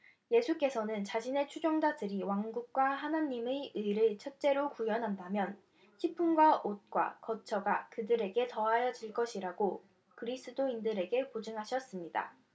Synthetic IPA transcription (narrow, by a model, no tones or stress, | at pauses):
je̞sʰuk͈e̞sʰʌnɯnt͡ɕaɕʰine̞t͡ɕʰud͡ʑoŋd͡ʑadɯɾiwaŋɡuk̚k͈waɦanaɲːimeɯiɾɯɭt͡ɕʰet͡ɕ͈e̞ɾokujʌnɦandamjʌn | çʰipʰunɡwaʔot̚k͈wa̰kʌt͡ɕʰʌɡakɯdɯɾe̞ɡe̞tʌɦajʌd͡ʑiɭk͈ʌɕʰiɾaɡo | kɯɾis͈ʰɯdoindɯɾe̞ɡe̞kod͡ʑɯŋɦaɕʰʌs͈ɯmɲida̰